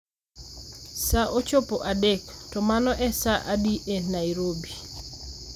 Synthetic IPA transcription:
saʔot͡ʃopoʔadektɔmanɔʔɛsaʔadiʔenaiɾobi

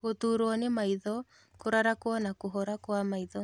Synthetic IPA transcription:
ɣotuɾoɔnemaiðɔ | koɾaɾakwɔnakoɦɔɾakwamaiðɔ

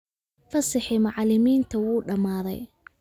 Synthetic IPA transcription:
fɐsɪħɪmɑʕlɪmiːnt̪ʰɐwuːɖɐmaːðɛ̰j

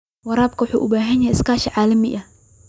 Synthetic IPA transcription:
wɑɾaːb̚kʰɐwʊħṵːʔʊbaːɦɐnjɛɛɪskʰaːʃɐʕaːlɐmɪʔɐ

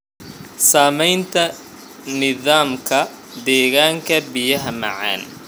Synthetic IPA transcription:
saːmɛjnt̪ʰɐ | nɪðaːmkʰɐ | d̪ɛːɣaːŋkʰɐbɪjɐɦɐmɑ̰ʕa̰ːn

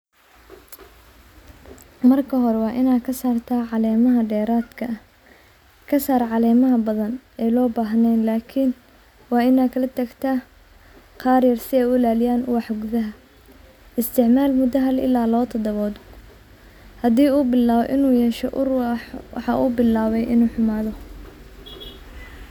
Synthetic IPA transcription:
mɐrkʰɐɦɔɾɛwɑːʔɪnaːkʰɐsaːrt̪ʰaːʕɑlɛːmɐɦɐɖɛːɾaːd̪kʰɐ | kʰɐsaːɾʕɑlɛːmɐɦɐbɐðɐnɛːlɔːbaːɦnɛjnlaːkʰɪn | wɑːɪnaːkʰɐlɐt̪ʰɐɡt̪ʰaː | qɑːrjɐrsɪɛjʊlaːlɪjaːnʊwɑħɡʊðɐɦɐ | ɪst̪ʰɪʕmaːlmʊd̪ɐɦɐlɪ̰laːlɔːt̪ʰɐd̪ɐβɔːð | hɐd̪iːuːbɪlaːβɔ̰ʔɪnuːjɛːʃɔʔʊrwɑ̰ħɑʔṵːbɪlaːβɛjʔɪ̰nuːħʊmaːðɔ

